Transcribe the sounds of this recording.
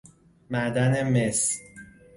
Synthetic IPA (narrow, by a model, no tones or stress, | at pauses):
mæd̪æneme̞s